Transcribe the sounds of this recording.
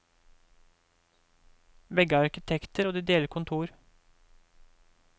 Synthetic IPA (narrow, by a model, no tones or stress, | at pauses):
ʋɛɡəɑɾkɪt̪ʰɛkt̪əɾoːd̪iːd̪eːləɾkʰʊnt̪ʰuːɾ